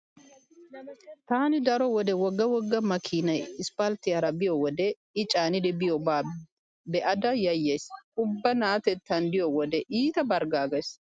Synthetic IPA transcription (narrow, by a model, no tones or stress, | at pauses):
t̪aːnɪd̪ɐɾɔwɔd̪ɛwɔɡːɐwɔɡːɐmɐkʰiːnɐjɪspɐlt̪ɪɐɾɐbɪjɔwɔd̪ɛ | ɪt͡ʃʼaːnɪd̪ɪbɪjɔbaː | bɛʔɐd̪ɐjɐjːeːsʊbːɐnaːt̪ɛt̪ːɐnd̪ɪjɔwɔd̪ɛʔiːt̪ɐbɐɾɡaːɡɐs